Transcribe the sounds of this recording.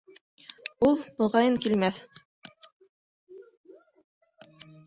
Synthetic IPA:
ulˠbɤ̆ʁɑjɤŋkilmæθ

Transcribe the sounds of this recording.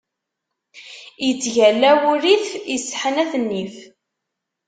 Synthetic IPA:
jət͡sːʝælːæwuɾiθjəsːħənæθənːif

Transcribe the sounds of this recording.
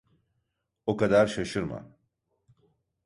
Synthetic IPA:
okad̪aɾʃaʃɯɾma̰

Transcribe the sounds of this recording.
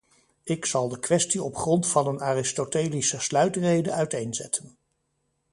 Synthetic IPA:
ɪksɑlˠdəkʋɛstiɔpχrɔntfɑnənaːrɪstotejlisəslœɥtrejdəœɥtejnzɛ̰tʰən

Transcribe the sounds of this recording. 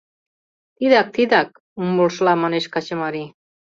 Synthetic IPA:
t̪iðak̚t̪id̪ak̚ | ummulʃlamaneʃkat͡ɕəmaɾi

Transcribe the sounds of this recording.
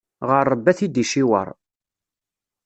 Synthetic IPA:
ʁəɾˤːəbːæθid̪iʃiwə̰ɾˤ

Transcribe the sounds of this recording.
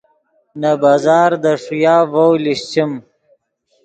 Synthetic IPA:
nabazɑːɾd̪aʂujaːvowliɕt͡ɕim

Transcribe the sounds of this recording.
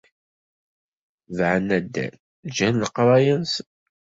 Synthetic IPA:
vʕənːæd̪ːæ̰n | d͡ʒænləqɾˤɑjəns

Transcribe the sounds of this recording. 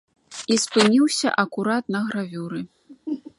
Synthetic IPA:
ispɨnʲiwsʲɐ̰ʔɐkuɾat̪̚nɐɣɾavʲuɾɨ

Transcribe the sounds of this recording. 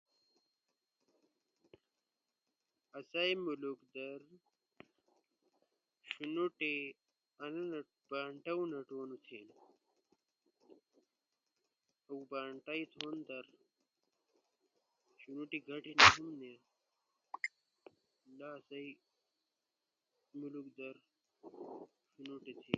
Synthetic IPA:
ɐsajmulukd̪ɐɾ | ɕunuʈe | ɐnn | b̥aːɳʈaunɐʈwonut̪ʰen | ɐwbaːɳʈait̪ʰond̪ɐɾ | ɕunuʈiɡʱɐʈiniɦumne | laːsaj | mulukd̪ɐɾ | ɕunuʈet̪ʰe

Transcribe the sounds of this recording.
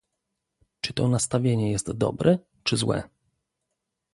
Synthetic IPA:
t͡ʂɘt̪ɔnast̪avʲjeɲɛjɛst̪d̪ɔ̰bɾʔɛ | t͡ʂɘzwɛ̰

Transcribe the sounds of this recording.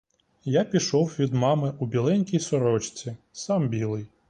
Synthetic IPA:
japʲiʃɔwʋʲid̪mɑmɪʔubʲilˠɛnʲkʲijsɔɾɔt͡ʃt͡sʲisɑmbʲilˠɪj

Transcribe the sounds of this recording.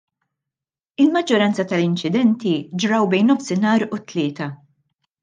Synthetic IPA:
ɪlmɐd͡ʒːɔɾɐnt͡sɐt̪ɐlɪnt͡ʃɪd̪ɛnt̪id͡ʒɾɐwbɛjnːɔfsɪnɐːɾʊt̪lɪːt̪ɐ

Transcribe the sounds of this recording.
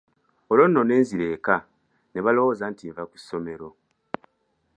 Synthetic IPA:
olo̞nːo̞ne̞ːnziɾe̞ːka | ne̞βalo̞woːzantievaku̥sːo̞me̞ɾo̞

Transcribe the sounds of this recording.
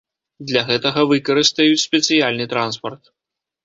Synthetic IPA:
d̪lʲaɣɛt̪ɐɣɐvɨkɐɾɨst̪ɐjut͡sʲsʲpʲɛt̪sɨjalʲnɨt̪ɾanspɐrt̪

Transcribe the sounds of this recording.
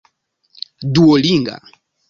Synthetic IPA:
duɔliŋɡa̰

